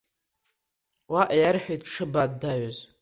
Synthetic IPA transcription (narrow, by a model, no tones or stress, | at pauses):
waʔjarħejtʈ͡ʂʰɨbaddaɥoz